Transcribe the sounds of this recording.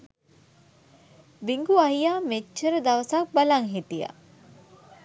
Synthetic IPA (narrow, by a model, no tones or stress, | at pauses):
biŋɡuɐɦijaːmet͡ʃːəɾəd̪ɐʋəsak̚balaŋɦit̪ija̰